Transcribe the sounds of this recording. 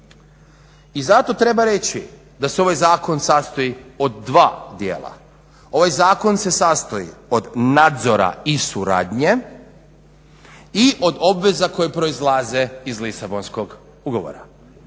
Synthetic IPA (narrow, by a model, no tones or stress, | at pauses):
izat̪o̞t̪ɾe̞baɾe̞t͡ɕi | d̪aseo̞ʋajzaːko̞nsast̪oio̞d̪ːʋaːd̪jḛːlˠa̰ | o̞ʋajzaːko̞nse̞sast̪oḭo̞d̪nad̪zo̞ɾa̰isuɾa̰ːd̪ɲe̞ | iʔo̞d̪o̞bʋe̞zako̞jepɾo̞izlˠaːze̞izlisabo̞nsko̞ɡ | uɡo̞ʋo̰ɾa̰